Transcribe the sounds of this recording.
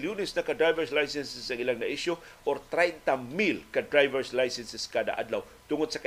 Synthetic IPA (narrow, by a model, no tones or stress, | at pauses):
ljunɪsnɐkad̪ɾajvɛɹslajsɛnsɛsːɐŋilaŋnɐʔiʃjʊʔɔɾt̪ɾɛjnt̪amilkad̪ɾajvɛɹslajsɛnsɛskad̪a̰ʔa̰d̪law | t̪ʊŋʊd̪̚sɐka